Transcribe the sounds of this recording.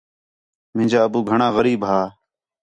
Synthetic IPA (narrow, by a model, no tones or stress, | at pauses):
mɪ̃ːd͡ʒaːəbuːɡʱəɳãːɣəɾiːbɦaː